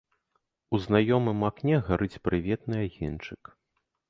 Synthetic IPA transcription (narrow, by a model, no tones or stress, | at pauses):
uznajɔmɨmaknʲɛɣaɾʔɨt͡sʲpɾɨvʲɛt̪̚nɨaɣʲɛ̰nt͡ʂɨk